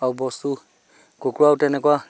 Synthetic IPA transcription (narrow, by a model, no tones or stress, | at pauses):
awbɔst̪u | ɡokɾuawtɛnɛkɔa